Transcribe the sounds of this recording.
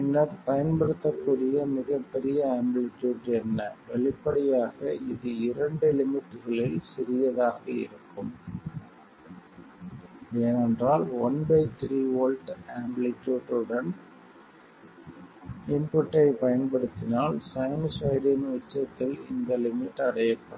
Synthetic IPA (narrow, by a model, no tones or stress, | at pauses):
ɛnːɐɾpɐjɐnpɐɽɯt̪ːɐkːuːɽɪjɐmɪɣɐpːɛɾɪjɐaːmbɭɪʈːuːʈɛnːɐʋɛɭɪpːɐɽɪjaːɣɐɪðɯɪɾɐɳɖɯlɪmɪʈːɯɣɐɭɪlsɪɾɪjɐðaːɣɐɪ̰ɾɯkːɯm | eːnɛndraːlɔnbɐɪt̪ɾiːoːlʈaːmblɪkːuːʈɯɽɐn | nɪnpɔʈːɐɪpɐjɐnpɐɽɯt̪ːɪnaːlsɐjmsɐɪɖɪnʊt͡ʃːɐt̪ːɪlɪ̰nd̪ɐlɪmɪʈːɐɽɐjɐpːɐɽɐ